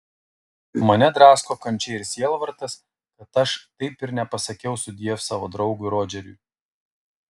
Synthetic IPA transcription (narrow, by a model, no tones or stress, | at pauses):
mɐnʲɛd̪ɾɑːskoːkɐnʲt͡ʃʲɛɪɪɾsʲiɛlˠʋɐɾt̪ɐs | kɐt̪ɐʃt̪ɐɪpɪɾnʲɛpɐsɐkʲɛʊsʊd̪ʲiɛfsɑːʋoːd̪ɾɒʊɡʊɾoːd͡ʒʲɛɾʲʊ̰